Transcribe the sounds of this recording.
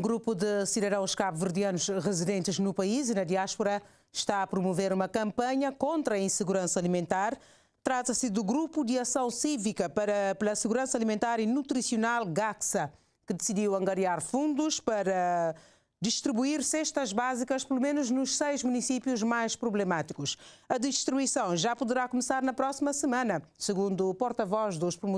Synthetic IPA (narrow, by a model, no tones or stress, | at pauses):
ũɡɾupud̪ɨsiðɐðɐ̃w̃ʃkaβuvɨɾd̪iɐnuʃʁɨziðẽnt̪ɨʒnupɐizinɐd̪iaʃpuɾɐ | ʃt̪aɐpɾumuveɾumɐkɐ̃mpɐɲɐkõnt̪ɾɐĩsɨɣuɾɐ̃sɐaːlimẽnt̪aɾ | t̪ɾat̪ɐsɨd̪uɡɾupud̪ɨɐsɐ̃w̃sivikɐpɐpɨlˠɐsɨɣuɾɐ̃sɐalimẽnt̪aɾinut̪ɾisiunalˠɡaksɐ | kɨd̪ɨsid̪iwɐ̃ŋɡɐɾjaɾfũnd̪uʃpɐɾɐ | d̪ɨʃt̪ɾiβuiɾsɛʃt̪ɐʒbazikɐʃpɨlˠumenuʒnuʃsejʒmunisipjuʒmajʃpɾuβlɨmat̪ikuʃɐd̪ɨʃt̪ɾuisɐ̃w̃ʒapuðɨɾakumɨsaɾnɐpɾɔsimɐsɨmɐ̃nɐsɨɣũnd̪uːpɔɾt̪ɐvɔʒd̪uʃpɾumu